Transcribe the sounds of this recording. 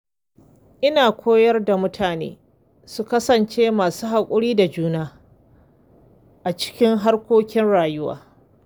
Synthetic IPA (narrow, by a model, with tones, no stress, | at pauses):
ʔɪ˦naː˨kʷʰoː˦jɐ˦rda˨mʊ˦tʰaː˨nḛː˦ | su˦kɐ˦sɐ˨nt͡ʃeː˦maː˨suː˦ha˨kʷʼʊ˦ɽiː˦da˨d͡ʒuː˦naː˦ | ʔa˨t͡ʃɪ̥˦kʲɪ˦ŋɦa˦rkʷoː˦kʲɪ˦nɽaː˨jʊ˦wa̰ː˨